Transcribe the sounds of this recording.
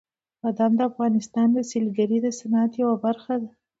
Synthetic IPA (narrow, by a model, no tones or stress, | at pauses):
ad̪ɑmd̪əafɣɑnɪst̪ɑnd̪əselɡaɾid̪əsanɑat̪jawabaɾxad̪a